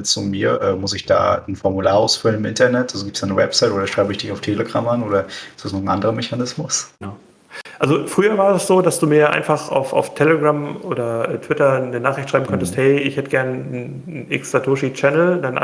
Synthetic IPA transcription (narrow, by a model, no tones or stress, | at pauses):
t͡sumiːɐʔɛ̰ːmʊsɪçd̥a̰ːn̩fɔɐmulaːɐaʊsfʏlənɪmʔɪntɐnɛtʔalzoɡiːptsd̥aːnəwɛpsaɪtʔoːdɐʃʁ̥aɪbəɪçd̥ɪçaʊftʰeːləɡʁa̰mʔanoːdɐ̥ɪstasnɔχn̩ʔandəʁəmɛçanɪsmʊsnaʊ | ʔalzofʁ̥yːɐvaːɐdɛsz̥oːdasd̥uːmiːɐʔa̰ɪnfaχʔa̰ʊfa̰ʊftʰeləɡʁamoːdɐʔɛːtʰv̥ɪtɐnənaːχɪçtʃʁ̥aɪm̩kʰɔntəsthɛɪɪçhɛtəɡɛɐnn | nʔɪksz̥atʰoːʃit͡ʃɛnl̩danʔ